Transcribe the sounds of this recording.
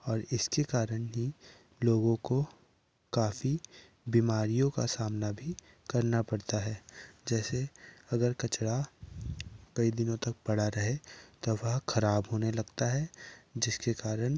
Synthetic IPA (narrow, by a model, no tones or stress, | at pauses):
ɔːɾɪskekaːɾəɽ̃ɦi | loːɡõko | kaːfi | biːmaːɾijõka̰saːmnabʱi | kɐɾnapɐɽt̪aɦɛːd͡ʒɛːseɐɡəɾkɐt͡ʃɽa | kɐid̪ɪnõt̪ɐk̚pɐɽ̤aɾɐɦet̪oʋɐɦxʰɐɾaːbɦoːnelɐɡt̪aɦɛd͡ʒɪskekaːɾəɽ̃